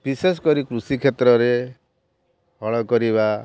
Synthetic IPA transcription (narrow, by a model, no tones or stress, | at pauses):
bises̬kɔɾikɾusikʰet̪ɾɔɾe | ɦɔɭɔkɔɾiba